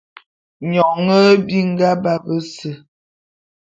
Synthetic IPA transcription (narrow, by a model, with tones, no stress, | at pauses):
ɲɔ˨ŋə˦bi˦ŋ̩˦ɡa˦ba˦bə˦sə˨